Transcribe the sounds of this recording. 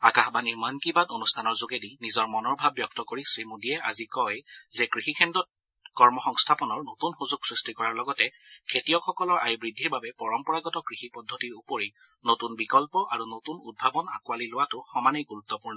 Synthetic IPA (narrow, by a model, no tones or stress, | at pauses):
akaxbaniɹmankibatonustʰanɔɹzoɡedinizɔɹmɔnɔɹbʱabːjɔk̚tɔkoɹisɹimodijɛʔa̰zikɔjzɛkɹixikʰɛndɔt̚ | kɔɹmɔxɔŋstʰapɔnɔɹnotunxuzuɡsɹistikɔɹaɹlɔɡɔtɛkʰetijɔxɔkɔlɔɹʔa̰jbɹidʱːiɹbabɛpɔɹɔmpɔɹaɡɔtɔkɹixipɔdʱːɔtiɹupoɹi | notunbikɔlpɔʔaɹunotunṵd̚bʱabɔnakuwalilʊwatʊxɔmaniɡuɹut̪ːɔpuɹnɔ